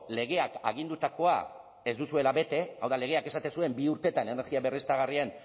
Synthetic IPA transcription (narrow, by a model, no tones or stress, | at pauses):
le̞ɣe̞aka̰ɣ̞ind̪ut̪ako̞a̰ | e̞zd̪usue̞laβe̞t̪e̞a̰wðale̞ɣe̞ake̞sat̪e̞nsue̞mbiuɾt̪e̞t̪ane̞ne̞ɾɣiaβe̞rist̪aɣ̞arian